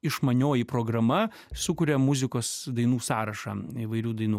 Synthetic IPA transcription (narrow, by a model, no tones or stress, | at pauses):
ɪʃmɐnʲoːjipɾoːɡɾɐmɐ | sʊkʊɾʲɛmʊzʲɪkoːsd̪ɐɪnuːsɑːɾɐʃɑ̰iʋɐɪɾʲuːd̪ɐɪnuː